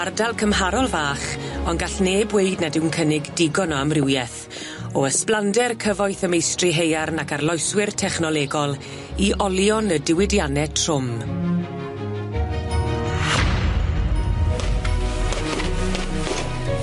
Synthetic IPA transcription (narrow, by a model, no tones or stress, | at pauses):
ardalˠkʰəmɦaɾɔlˠvaːχɔnɡaɬneːbwejdnɛdɪwnkʰənɪɡdɪɡɔnɔamrɪwjɛθ | ɔəsplˠandɛrkʰəvɔjθəmejstrɪɦejarnakarlˠɔjswɪrtʰɛχnɔlˠɛɡɔlˠ | iʔɔlˠjɔnədɪwɪdjanɛtʰr̥ʊm